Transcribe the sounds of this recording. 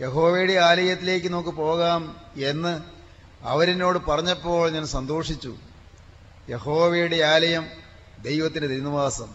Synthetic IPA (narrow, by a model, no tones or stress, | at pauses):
je̞ɦo̞ːʋeːjuɽeaːlɐjɐt̪ːile̞ːk̬ːɨno̞ːkːɨpo̞ːɣaːme̞nːɨ | ɐ̰ʋɐɾino̞ːɽɨpɐrɐɲːɐpːo̞ːɭɲaːnmsɐnd̪o̞ːʂit͡ɕːṵ | jehoːʋeːjuɽeaːlɐjɐm | d̪e̞jʋɐt̪ːindeiɾiniʋaːsɐm